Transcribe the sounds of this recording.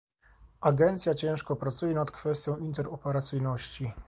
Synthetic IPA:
aɡɛnt̪sʲjat͡ɕɛ̃w̃ʂkɔpɾat̪sujɛnat̪kfɛst̪ʲjɔ̃w̃int̪ɛɾɔpɛɾat̪sɘjnɔɕt͡ɕi

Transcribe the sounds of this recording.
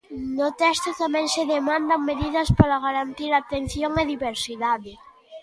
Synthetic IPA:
nʊt̪ɛst̪ʊt̪amɛ̃ŋseðemãnd̪aŋmeðiðɐspaɾaɣ̞aɾant̪iɾat̪en̟θjoŋeðiβeɾsiðaðɪ

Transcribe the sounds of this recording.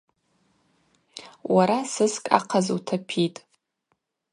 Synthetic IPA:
wʔaɾasɨskʼa̰qʰazutʰapʰitʼ

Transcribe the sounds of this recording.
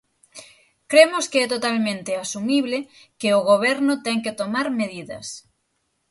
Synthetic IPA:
kɾemoskeɛt̪ot̪almẽnt̪easumiβ̞le | keoɣ̞oβ̞ɛɾnot̪ɛŋket̪omaɾmeðiðɐ̰s

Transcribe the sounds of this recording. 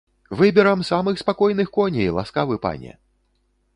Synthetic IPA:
vɨbʲɛɾɐmsamɨxspakɔjnɨxkɔnʲɛjlˠa̰skavɨpa̰nʲɛ̰

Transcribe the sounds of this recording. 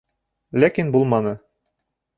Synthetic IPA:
lækinbulˠmɑnɤ

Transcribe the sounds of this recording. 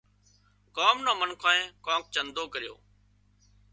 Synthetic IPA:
kaːmnãːmənkʰãːẽːkãːk̚t͡ʃənd̪oːkəɾɪjo̰ː

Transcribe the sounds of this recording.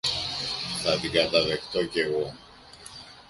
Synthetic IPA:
θat̪ikat̪aðekt̪oceɣo

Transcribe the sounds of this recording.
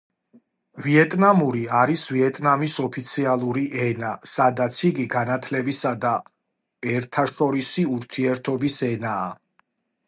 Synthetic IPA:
viɛt̪ʼnamuɾiaɾisviɛt̪ʼnamisɔpʰit̪sʰialˠuɾiʔɛnasad̪at̪sʰiɡiɡanat̪ʰlɛbisad̪a | ɛɾt̪ʰaʃt̪ʼɔɾisiuɾt̪ʰiɛɾt̪ʰɔbisɛna̰ː

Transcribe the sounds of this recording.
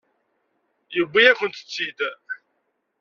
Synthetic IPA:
jəbʷːijækʷənt̪ə̥t͡sːid̪

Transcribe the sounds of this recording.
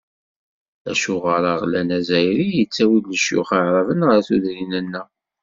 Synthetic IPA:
æ̰ʃuʁəɾɑʁlænæzæjɾijət͡sːæwilːəʃjʊ̰χaʕɾˤəvənʁəɾθuðɾinænːæ

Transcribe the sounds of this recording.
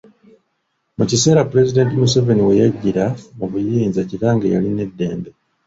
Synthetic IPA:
mucise̞ːɾapːuɾe̞zide̞ntimuseve̞niwe̞jaɟːiɾamuβujiːnzaciɾaːŋɡḛja̰line̞dːe̞̰ːmbe

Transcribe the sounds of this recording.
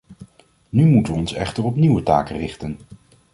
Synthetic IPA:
nymutəʋəɔnsɛ̰χtərɔpniwəta̰ːkərɪχtən

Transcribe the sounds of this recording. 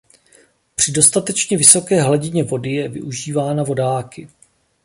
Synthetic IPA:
pr̝̥ɪdo̞st̪at̪ɛt͡ʃɲɛvɪso̞kɛːɦlaɟɪɲɛvo̞dɪjɛvɪ̰ʔuʒiːvaːnavo̞daːkɪ

